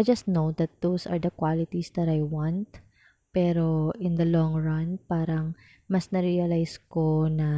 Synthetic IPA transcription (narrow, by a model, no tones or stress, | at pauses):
ajd͡ʒɐst̪nowd̪ɐt̪̚d̪̥osɐ̰ɹd̪ɐkwalɪt̪isd̪ɐt̪ajwãnt̪̚ | pɛɾoʔɪ̃nd̪ɐlɔ̃ŋɹɐnpaːɾɐŋ | mɐsnɐɾiɐlajskonɐ